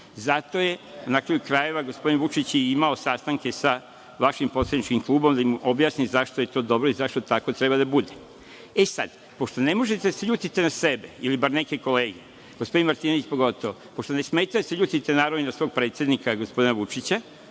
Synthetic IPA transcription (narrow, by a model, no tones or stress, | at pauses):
zat̪o̞je̞unakɾajukɾaje̞ʋaɡo̞spo̞d̪inʋut͡ʃit͡ɕjeimaosast̪aŋke̞sa | ʋaʃimpo̞t̪sed̪nit͡ʃkimklˠuːbo̞md̪aimo̞bjaːsnizaʃt̪o̞je̞t̪o̞d̪o̞bɾoizaʃt̪o̞t̪ako̞t̪ɾebad̪abud̪e | esa̰d̪ | po̞ʃt̪one̞mo̞ʒet̪eseʎuːt̪it̪enase̞beilibaɾneke̞ko̞le̞ːɡee | ɡ̥ospo̞d̪inmaɾt̪iːnoʋit͡ɕpo̞ɡo̞t̪o̞ʋopoʃt̪onesmeːt̪ajseʎuːt̪it̪enaːɾaninasʋo̞ːɡ̚pɾet̪sjed̪nikaɡospo̞d̪inaʋut͡ʃit͡ɕa